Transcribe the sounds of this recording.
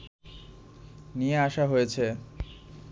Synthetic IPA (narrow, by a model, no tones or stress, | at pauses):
nijeaʃaɦojet͡ɕʰe